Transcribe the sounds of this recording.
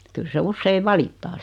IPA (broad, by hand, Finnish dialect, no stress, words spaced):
kyl se usːeiʋ ʋɑlitːɑː